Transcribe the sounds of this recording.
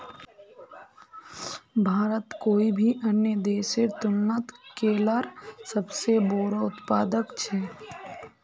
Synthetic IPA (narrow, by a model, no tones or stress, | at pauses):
bʱaːɾət̪koːibʱiʔənjəd̪eːʃet̪ʊnːət̪keːlaɾsəbseboːɾaʊt̪paːd̪əkt͡ʃʰɛː